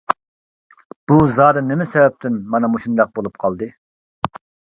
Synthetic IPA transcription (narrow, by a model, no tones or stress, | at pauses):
b̥uzɑːd̪ɨnɪmɛsɛvɛp̚t̪ʰɪnmɑnɑmuʃund̪ɑq̚bolˠup̚qʰɑlˠd̪ɨ